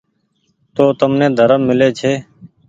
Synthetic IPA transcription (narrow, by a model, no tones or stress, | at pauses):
t̪oːt̪əmnẽːd̪ʱəɾəmːɪleːt͡ʃʰeː